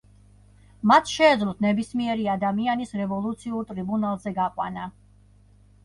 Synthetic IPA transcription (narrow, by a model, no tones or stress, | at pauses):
mat̪ʰʃɛːd̪zlˠɔt̪ʰnɛbismiɛɾiad̪amianisɾɛvɔlˠut̪sʰiuɾt̪ʼɾibunalˠzɛɡaqʼwa̰na